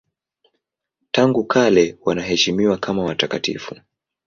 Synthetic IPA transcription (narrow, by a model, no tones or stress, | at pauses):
taŋɡukʰalɛwanaɦɛʃimiwakʰamawatakatḭfu